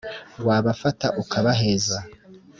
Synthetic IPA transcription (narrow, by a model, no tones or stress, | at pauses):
waːβafataʔukʰaβaɦe̞ːza